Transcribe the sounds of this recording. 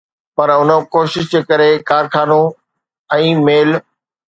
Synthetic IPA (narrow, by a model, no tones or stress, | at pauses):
pɐɾʊnəkoːʃɪʃd͡ʑeːkɐɾekaːɾkʰaːnõ | ɛ̃ːmeːl